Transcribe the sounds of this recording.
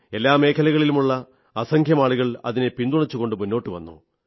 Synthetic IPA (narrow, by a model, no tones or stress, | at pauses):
e̞lːaːme̞ːkʰɐlɐɣɐɭilumuɭːɐ | ɐsɐŋkʰjɐmaːɭuɣɐɭɐ̰ðine̞pind̪uɳɐt͡ɕːuɣo̞ɳɖɨmunːo̞ːʈːɨʋɐ̰nːṵ